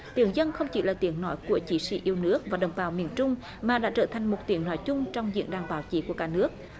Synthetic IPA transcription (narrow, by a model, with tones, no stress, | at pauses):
t̪i˨˩˦əŋzə˧nxə˧wŋ͡mt͡ɕḭ˧˦laː˨˩t̪i˨˦əŋnɔ˨˦jku˧˩ət͡ɕi˨˦sḭ˧˩ʔi˧əwnɨ˦˥ək̚vaː˨˩ɗə̰˨˧˩wŋ͡mɓaː˨˦wmi˨˩ənt͡ɕʊ˧ŋ͡m | maː˨˩ɗa̰ː˧˥t͡ɕəː˧˩t̪ʰa˨˩ŋ̟mo˨˩t̚t̪i˨˦əŋnɔ˨˦jt͡ɕʊ˧ŋ͡mt͡ɕɔ˧wŋ͡mzḭ˧˨ənɗaː˨˩ŋɓaː˨˦wt͡ɕi˨˦ku˧˩əkaː˧˦nɨ˦˥ək̚